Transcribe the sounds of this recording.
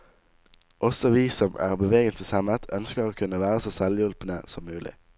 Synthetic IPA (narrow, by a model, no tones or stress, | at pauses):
ʔɔsɔʋiːsɔmʔæ̰ːʁbəʋeːɡənt̪ʰəsɛmət̪ʰœnskəʁoːkʰʉnəʋæːʁəsoːsɛljʉlpnə̰sɔmːʉːlɪ̰